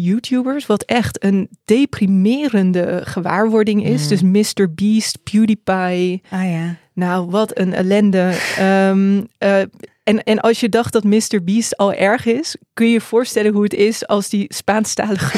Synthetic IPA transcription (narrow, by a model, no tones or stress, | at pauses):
juːtʰjubəɹsʋɑtɛχtənd̥ejprimɪːɾəndəχəʋa̰ːɹʋɔɹdɪŋɪsdɵsmɪstəɹbiːstpjudipajja | nawʋɑtənɛ̰lɛndə | ɛnɛnʔɑlˠsjədɑχt̚dɑtmɪstəɹbiːstɑlˠʔɛɹχɪskɵnjəv̥ʊːɹstɛlənɦuətɪsɑlˠsdispaːnstaːləχə